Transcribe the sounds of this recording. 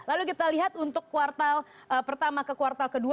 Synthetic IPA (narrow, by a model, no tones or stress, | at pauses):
lalukit̪aliɦat̪unt̪ʊkːuart̪al | əpərt̪amakəkuart̪alkədu